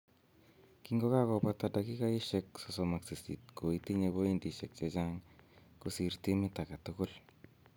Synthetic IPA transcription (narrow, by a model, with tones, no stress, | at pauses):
kiŋɡo˦ka˦kɔ˨patada˨ki˦ka˦i˦ʃɛkso˨so˨ma˨ksi˨sḭ˨t̚ko˨iti˦ɲe˨bo˦i˦ndi˨ʃɛ˨k̚t͡ʃet͡ʃa˦ŋku˨si˨rti˦mɪ˦ta˨ka˨tʊkʊ˦l